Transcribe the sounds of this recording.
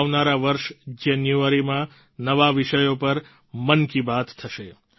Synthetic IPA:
ʋnaɾaʋəɾʃd͡ʒɛnjuaɾimã | nəʋaʋɪʃəjopəɾ | mənkibat̪t̪ʰəʃe

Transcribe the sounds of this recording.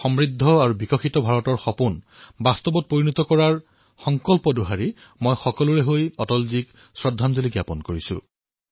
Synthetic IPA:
xɔmɹidʱːɔaɹubikɔxitɔbʱaɹɔtɔɹxɔpun | bast̪ɔbɔt̚poɹinɔt̪ɔkɔɹaɹ | xɔŋkɔlpɔduɦaɹi | mojxɔkɔluɹɛɦojɔtɔlzik | sɹɔdʱːanzoliɡjapɔnkoɹisʊ̰

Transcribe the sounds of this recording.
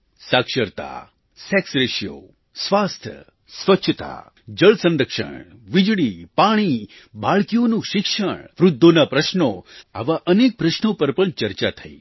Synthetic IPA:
sakʃəɾt̪a̰ | sɛksɾeʃjo̰ | sʋast̪ʰjə̰ | sʋəʃʰət̪a̰ | d͡ʒəɭsə̃ndɾəkʃə̰ɳ | ʋid͡ʒɭipaɽ̃i | baɭkijonũʃɪkʃəɳ̃ʋɾʊd̪ʱːonapɾəʃnoa̰ʋaʔənek̚pɾəʃnopəɾpəɳt͡ʃəɾt͡ʃat̪ʰəḭ

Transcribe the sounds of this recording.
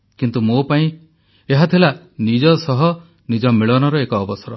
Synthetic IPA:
kint̪umopaĩ | eɦat̪ʰila | nid͡ʒɔsɔɦɔ | nid͡ʒɔmiɭɔnɔɾɔekɔːbɔsɔɾɔ

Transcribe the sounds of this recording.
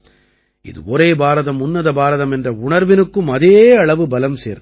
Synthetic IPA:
ɪ̰ðɯ̰ɔɾeːbaːɾɐðɐmʊnːɐðɐbaːɾɐðɐmɛndrɐʊɳɐɾʋɪnɯkːɯmɐðeːɐɭɐʋɯbɐlɐmsḛːɾ

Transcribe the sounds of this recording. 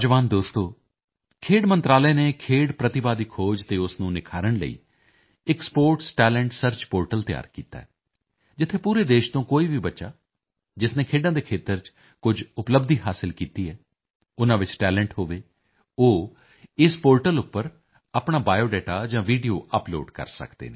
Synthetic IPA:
d͡ʒʋaːnd̪oːst̪oː | kʰeːɖmə̃nt̪ɾaːlɛːneːkʰeːɽpɾət̪ɪbaːd̪iːkʰoːd͡ʒt̪eːʊsnũːnɪkʰaːɾəɳlə̰ḭː | ɪkspoːɾʈsʈɛːlɛ̃ɳʈsəɾt͡ʃpoːɾʈəlt̪ɪja̰ːɾkḭːt̪a̰ːɛː | d͡ʒɪt̪ʰːeːpuːɾeːd̪eːʃt̪õːkoːiːʋiːbətːʃa̰ː | d͡ʒɪsneːkʰeːɖãːd̪eːkʰeːt̪əɾt͡ʃ | kʊd͡ʒʊpləbd̪iːɦaːsɪlkiːt̪iːɛː | ʊnãːʋɪt͡ʃʈɛːlɛ̃ɳʈɦoːʋeː | oː | ɪspoːɾʈəlʊpːəɾ | apɳaːbaːjoːɖɛːʈaːd͡ʒãːʋiːɖijoːʔəplo̰ːɖkə̰ɾsə̰kd̪ḛːneː

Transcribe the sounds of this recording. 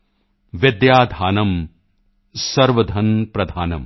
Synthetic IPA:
ʋɪd̪jaːd̪ʱaːnɐm | sɐɾʋɐd̪ʱɐnpɾɐd̪ʱaːnɐ̰m

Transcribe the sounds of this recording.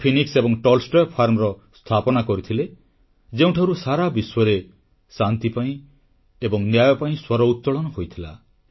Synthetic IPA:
pʰiniksebɔŋʈɔlsʈɔjɔpʰaɾmɾɔst̪ʰapɔnakɔɾit̪ʰile | d͡ʒeũʈʰaɾusaɾabiswɔɾe | sant̪ipaĩ | ebɔŋnjajɔpaĩswɔɾɔut̪ːɔɭɔnɔɦojt̪ʰila̰

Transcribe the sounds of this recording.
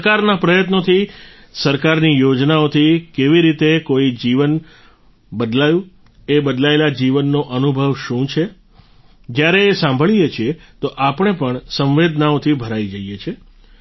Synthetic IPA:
kaɾnapɾəjət̪not̪ʰi | səɾkaɾnijod͡ʒnaot̪ʰikeʋiɾit̪ekoid͡ʒiʋən | bəd̪lajũ | ebəd̪laelad͡ʒiʋənːoʔənubʱəʋʃũt͡ʃʰe | d͡ʒjaɾeːsãmbʱəɭijet͡ʃʰiet̪oʔapəɳ̃epəɳsə̃mʋed̪naot̪ʰibʱəɾaid͡ʒəijet͡ʃʰe

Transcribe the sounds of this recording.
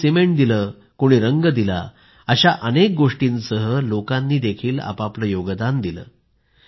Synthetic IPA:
simeɳʈd̪iləː | koɽ̃iːɾəŋɡəd̪ila̰ | əɕaʔənek̚ɡoʂʈiːnsəɦəlokanːiːd̪ekʰiːla̰papləjoɡəd̪and̪ilə̰ː

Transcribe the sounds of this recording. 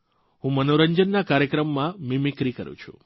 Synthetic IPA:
ɦũmənoɾəɲd͡ʒənːakaɾjəkɾəmːãmimikɾikə̰ɾṵ̃t͡ʃʰṵ

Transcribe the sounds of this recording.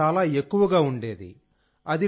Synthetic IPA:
aːlaːekːuʋɐɡaːuɳɖe̞ːd̪ḭ | ɐd̪i

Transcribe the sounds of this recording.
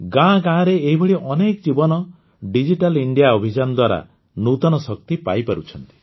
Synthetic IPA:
ɡãɡãːɾeːɦibeɽiʔɔnekd͡ʒibɔnɔ | ɖid͡ʒiʈaliɳɖijaobʱid͡ʒanɔd̪waɾa̰ | nut̪ɔnɔsɔk̚t̪ipa̰jpaɾut͡ʃʰɔnt̪i̥

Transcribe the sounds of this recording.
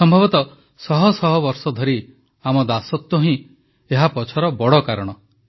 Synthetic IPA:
sɔmbʱɔbɔt̪ɔ | sɔɦɔsɔɦɔbɔɾsɔd̪ʱɔɾi | amɔd̪asɔt̪ːuɦĩ | eɦapɔt͡ʃʰɔɾɔbɔɽɔkaɾɔɽ̃ɔ

